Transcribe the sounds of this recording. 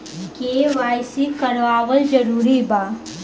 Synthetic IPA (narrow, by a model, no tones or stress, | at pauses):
keːʋaːjsikɐɾʋaːwəld͡ʒɐɾuːɾibaː